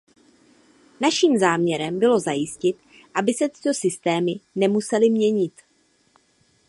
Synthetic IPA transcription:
naʃiːmzaːmɲɛɾɛmbɪlo̞zajɪscɪt̪ | ʔabɪsɛt̪ɪ̥t̪o̞sɪst̪ɛːmɪnɛmusɛlɪmɲɛɲɪt̪

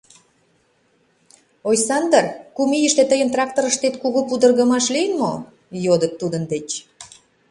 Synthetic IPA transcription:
ojsɑnd̪ərkumijəʃt̪et̪əjənt̪rɑk̚t̪oɾəʃt̪et̪kuɣupud̪ə̆rɣə̆mɑʃlijənmo | jod̪ət̪ːud̪ə̆nd̪et͡ɕ

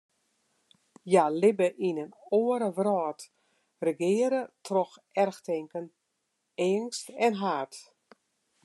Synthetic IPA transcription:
jalɪbəʔinənoəɾəʋrɔːt | rəɡɪəɾətʰrɔxɛrxtɪŋkən | ɪəŋstɛnɦaːt

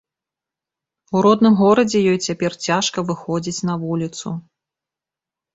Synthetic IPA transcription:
uɾɔd̪nɨmɣɔɾɐd͡zʲɛjɔjt͡sʲapʲɛrt͡sʲaʂkɐvɨxɔd͡zʲit͡sʲn̪ɐvulʲit̪su

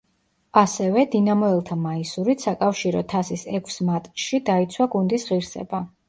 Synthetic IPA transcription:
asɛvɛd̪inamɔɛlˠt̪ʰamaisuɾit̪sakʼafʃiɾɔt̪ʰasisɛkʰsmat̪ʼʃid̪ait̪sʰwaɡund̪isʁiɾsɛ̰ba

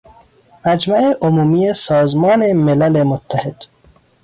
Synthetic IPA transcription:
mæd͡ʒmaeʔomuːmijesɒːzmɒːnemelalemot̪ʰːahed̪̥

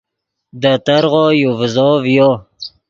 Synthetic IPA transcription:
d̪ət̪aɾʁojovzɔvjo

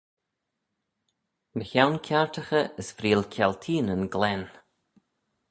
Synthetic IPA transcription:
məçawnkʲʰaɹtʰəxəəsfɾiːlkʲʰɛlt̪ʰiːnənɡlɛn

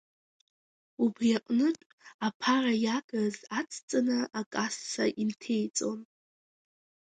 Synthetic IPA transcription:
ubriaqʼnɨʈ͡ʂʼ | apʰarajaɡazat͡sʰt͡sʼanɨʔakʼasːa̰ʔintʰe̞jt͡sʼo̞n

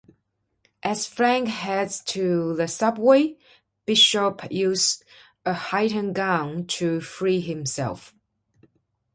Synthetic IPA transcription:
ʔɨz̥fɹæ̃ŋkhɛdtʰɨðəsʌbweɪ | b̥ɪʃəpjʉst | əhaɪɾə̃nɡãntʰɨfɹiɦɪ̃msɛ̰lˠf

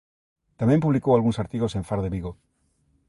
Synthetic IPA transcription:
t̪amjempuβlikoalɣunsaɾt̪iɣo̞seɱfaɾðeβiɣo

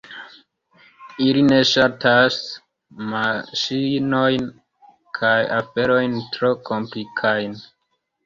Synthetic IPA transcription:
iline̞ʃatʰas | maʃino̞jn | kʰajafe̞ɾo̞jntɾo̞ko̞mplikʰajn

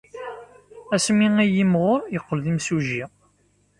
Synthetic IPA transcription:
æsmiæjimʁʊjəqːəlðimsuʒi

